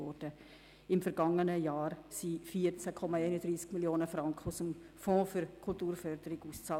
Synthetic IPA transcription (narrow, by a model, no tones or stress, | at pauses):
ɔɾd̥ə | ɪmfɛɾɡɑŋənəjaːɾsifiəɾt͡sækʰɔmɑeɪnədɾiːskmiljoːnəfrɑŋkχəʊsəm | fɔ̃ːfʏɾkʰʊltuːɾfœɾd̥əɾɪɡuːst͡sɑː